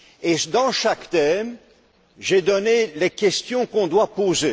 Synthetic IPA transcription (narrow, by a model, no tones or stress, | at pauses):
ed̪ɑ̃ʃakt̪ɛm | ʒed̪ɔnelekʲɛst̪jɔ̃kɔ̃d̪wapoze